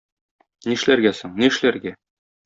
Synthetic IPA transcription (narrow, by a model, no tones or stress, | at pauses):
niʃlæɾɡæsoɴnĭʃlæɾɡæ